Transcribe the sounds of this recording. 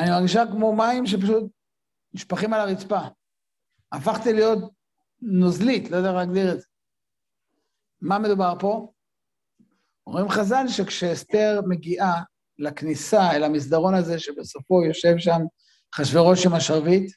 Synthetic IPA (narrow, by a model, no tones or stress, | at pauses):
animaʁɡiʃakmo̞maimʃ̬e̞p̬aʃut̪̚ | niʃpaχimalaʁit͡spa | afaχt̪ilijo̞t | nozlitlojd̪ealaɡd̪iʁedze | mamed̪ubaʁpo̞ | o̰mimχazalʃe̞kʃeːst̪e̞ʁme̞ɡiʔa | laknisaelamis̬d̪aʁo̞naze̞ʃebeso̞fo̞jo̞ʃe̞vʃam | χaʃveʁo̞ʃimaʃaʁvit̪